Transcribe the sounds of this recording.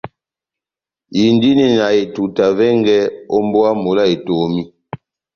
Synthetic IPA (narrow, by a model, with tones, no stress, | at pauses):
ji˨ndi˦ni˨na˨e˨tu˨ta˨vɛ˦ŋɡɛ˦o˦mbɔ˦a˦mo˨la˦e˨to˨mi˦